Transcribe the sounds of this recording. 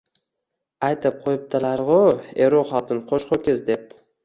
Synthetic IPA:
ajt̪ʰɪp̚qʰojɪp̚t̪ʰɪlaɾʁʊeɾoχɒt̪ʰɪnqʰoʃqokʲɪzd̪e̞p̚

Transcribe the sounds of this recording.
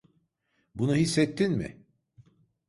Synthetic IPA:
bunuɦisːɛt̪ʰːinmɪ̰

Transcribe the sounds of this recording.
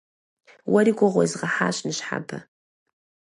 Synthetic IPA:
wʔɐɾiːɡʷʊʁʷɔzʁɐħaːɕnɨɕħa̰bɐ̰

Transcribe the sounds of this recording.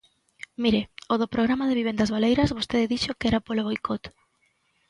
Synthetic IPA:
miɾeoðopɾoɣ̞ɾamaðeβiβend̪azβalejɾɐzβost̪eðɪðiʃokɛɾapoloβojkɔt̪

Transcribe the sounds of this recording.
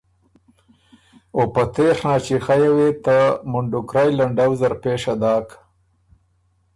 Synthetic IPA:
opat̪exnat͡ʃixajawet̪amʊɳɖʊkɾajlaɳɖawzaɾpeːʂad̪ɑːk

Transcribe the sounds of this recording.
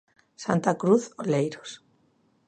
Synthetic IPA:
sant̪akɾuθolejɾos

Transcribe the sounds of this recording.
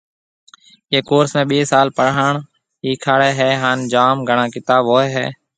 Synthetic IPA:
eːkoːɾsmẽːɓeːsaːlpəɽaːɳ | ɦiːkʰaːɽeːɦɛːɦaːnd͡ʒaːmɡʱəɳãːkɪt̪aːboːeːɦɛ̰ː

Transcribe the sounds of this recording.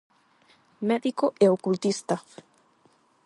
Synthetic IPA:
meðikoʔɛokult̪ist̪a

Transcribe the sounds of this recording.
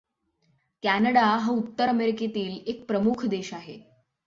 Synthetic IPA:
kænəɽaɦə̃ut̪ːəɾəmeɾiket̪iːlek̚pɾəmukʰd̪eɕaɦḛ

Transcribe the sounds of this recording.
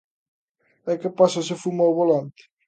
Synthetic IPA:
ɛkːepasɐsefumawβolant̪ɪ̥

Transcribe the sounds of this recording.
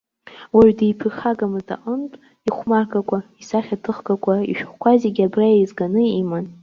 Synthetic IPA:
waɥdejpʰɨrχaɡamɨza̰ʔʼəntʼ | iχʷmarkʼakʷʰʼaisaχʲatʰɨχɡakʷʰʼaḭʃᶣχʷkʷazeɡʲabrajaizɡanɨiman

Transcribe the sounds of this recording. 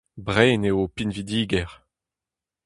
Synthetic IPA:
bʁɛːneopinvid̪iːɡɛʁ

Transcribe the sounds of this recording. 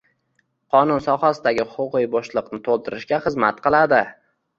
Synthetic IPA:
qʰɒnʊnsɒhasɪd̪aɡʲɪχʊʊqɨjbɒʃlˠɨqnɪt̪ʰolˠt̪ʰɪɾɪʃɡʲaχɨzmat̪qʰɨlˠad̪ɪ

